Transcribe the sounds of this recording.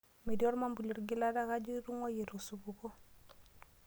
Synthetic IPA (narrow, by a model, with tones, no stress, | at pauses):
me˨djɔ˦ɾma˦mbu˨lo˨ɾɡɪ˦la˦da˦ka˦d͡ʒi˦ɾu˦ŋɔ˦je˨ɾo˨su˨bu˨ko˦